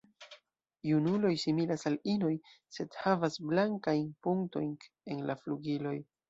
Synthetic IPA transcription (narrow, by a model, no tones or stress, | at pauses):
junulo̞jsimilasalino̞jse̞dhavasblaŋkajnpuŋkto̞jn | enlafluɡilo̞j